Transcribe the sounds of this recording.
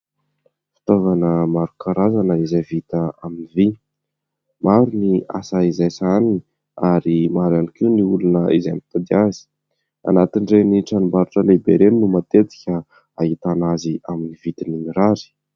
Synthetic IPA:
fi̥t̪ovanəmaɾukaɾazanəizavit̪əaminivi | maɾunia̰saizajsanini̥ | aɾimaɾanikiwniulunəizamit̪ad̪iazi̥ | a̰nat̪iɳɖ͡ʐeniʈ͡ʂanumbaɾuʈ͡ʂəlebeɾeninumat̪et̪i̥kʲə | ait̪anaziaminivit̪ininiɾaɾi̥

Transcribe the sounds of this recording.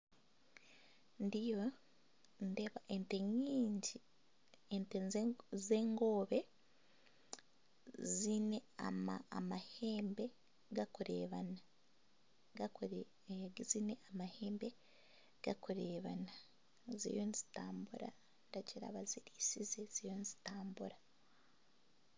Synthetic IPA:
ndijo | ndeβaʔenteɲiːɲɟi | entezeːŋɡo̞ːβe | zineamamaheːmbe̞ | ɡakuɾḛːβana | ɡak | ɡzine̞amaheːmbe | ɡ̥akuɾeːβana | zḭjonizi̥taːmbuɾa̰ | ndaɟiɾa̰βaziɾiːsizez̥ijonzitaːmbuɾa

